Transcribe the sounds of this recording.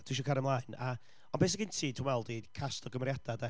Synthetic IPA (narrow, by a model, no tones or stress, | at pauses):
d̥iʃɔkʰaɾəmlˠaɨna | ɔnbejs̬ɪkɪntʰiːdʰwunwɛlˠdikʰastɔɡəmrjad̥adɛ